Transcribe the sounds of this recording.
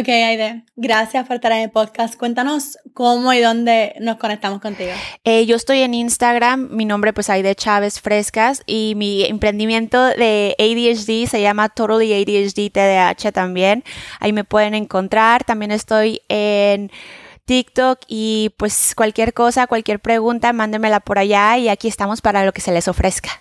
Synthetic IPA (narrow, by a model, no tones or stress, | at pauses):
okejajðeɡɾasjaspoɾest̪aɾenepoðkast̪̚kwe̞nt̪ano̞skomoiðo̞nd̪e̞no̞skonek̚t̪amosko̞nt̪iɣoeʝo̞est̪o̞je̞ninst̪aɣɾamːinõmbɾe̞pwe̞sajðe̞t͡ʃaβe̞sfɾe̞skasimiempɾe̞nd̪imjẽ̞nt̪o̞ðe̞ejðiet͡ʃdise̞ʝamat̪oɾliejðiet͡ʃdit̪eðea̰t͡ʃet̪ambje̞na̰ime̞pwe̞ðe̞ne̞ŋko̞nt̪ɾaɾt̪ambje̞ne̞st̪o̞jent̪ikt̪okipwe̞skwalkje̞ɾko̞sakwalkje̞ɾpɾe̞ɣunt̪amãnd̪e̞me̞lapo̞ɾaʝaiakie̞st̪amo̞spaɾalo̞ke̞se̞le̞so̞fɾe̞skḁ